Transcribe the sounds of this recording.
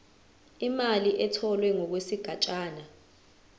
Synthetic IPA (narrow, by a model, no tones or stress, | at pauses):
imaliʔɛtʰɔlwɛŋɔk̬wesiɡ̥ʱat͡ʃʼaːna